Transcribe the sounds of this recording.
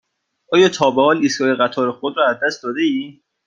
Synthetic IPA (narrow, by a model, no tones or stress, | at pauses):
ʔɒːjɒːt̪ʰɒːbehɒːlisɡɒːjeɣæt̪ʰɒːɾexod̪ɾɒːæzd̪æst̪̚d̪ɒːd̪eiː